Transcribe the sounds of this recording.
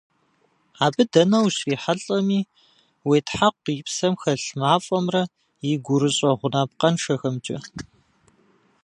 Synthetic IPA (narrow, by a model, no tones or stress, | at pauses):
aːbɨdɐnɐwɕiːħaɬʼɐmiː | weːtʰħaqʷːipsɐmxɐɬmaːfʼɐmrɐ | jɪɡʷʊɾɨɕʼɐʁʷʊnaːp̚qɐnʂɐxɐmt͡ʃʼɐ̰